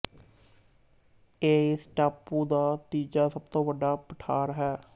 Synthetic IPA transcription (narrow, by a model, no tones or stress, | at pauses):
eːɪsʈaːpːuːd̪aːt̪iːd͡ʒaːsəb̚t̪õːʋəɖaːpəʈʰaːɾəɦɛː